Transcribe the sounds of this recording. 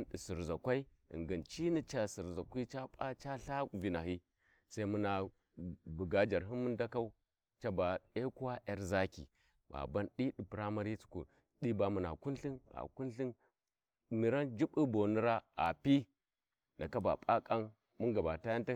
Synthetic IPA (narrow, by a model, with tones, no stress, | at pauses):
nɗi˨si˨ɾza˨kʷa˦i˦ | ḭ˨ŋɡə˨nt͡ʃi˦ni˦t͡ʃa˦si˨ɾza˨kʷi˦t͡ʃa˦pʼa˦t͡ʃa˦ɬa˦˨vi˨na˨hi˦ | sa˦i˦mu˦na˨ | bu˨ɡa˦d͡ʒa˨ɾɦi˦nmu˦nda˦ka˦u˦ | t͡ʃa˦ba˨e˦ku˦wa˦ʔe˦ɾza˦kḭ˨ | ba̰˨ba˦nɗi˦ɗi˨pɾa˦ma˦ɾi˦t͡su̥˨kṵ˨ | ɗi˦ba˨mu˨na̰˨ku˦nɬi˦na̰˨ku˦nɬi˦n | mi˨ɾa˦nd͡ʒi˦ɓu˦bo˨nu˦ɾa˦a̰˨pi˦ | na˨ka˦ba̰˨pʼa˦kʼa˦n | mu˦ŋɡa˨ba˨ta˦ja˦nta˦